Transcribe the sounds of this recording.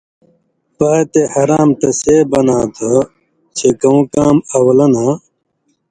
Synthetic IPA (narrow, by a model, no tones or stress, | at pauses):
paːt̪ehɐɾaːmt̪ɐseːbɐnaːt̪ʰo | t͡ɕʰekɐũkaːmɐwɐlɐna